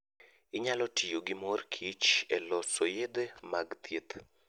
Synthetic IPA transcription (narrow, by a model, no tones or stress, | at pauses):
ɪɲalɔtʰijoɡimɔrkʰit͡ʃɛlɔsojed̪emaɡt̪et̪